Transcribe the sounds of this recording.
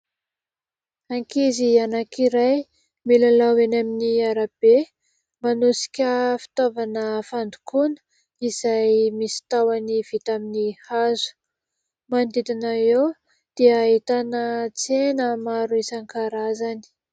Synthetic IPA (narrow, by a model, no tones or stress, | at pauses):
aŋkizianakiɾaj | milalawenaminiaɾab̥e | manusi̥kʲəfi̥t̪ovanəfand̪u̥kunə̥ | iz̥ajmisi̥t̪awaniv̥it̪aminihazu̥ | mand̪id̪inaew | d̪̥iɦit̪anət͡senəmaɾuisaŋkaɾazani̥